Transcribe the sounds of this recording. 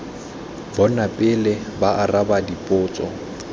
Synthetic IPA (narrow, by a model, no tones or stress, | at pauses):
bɔnapʼɪlɪbaʔarabadipʼʊːt͡sʼɔ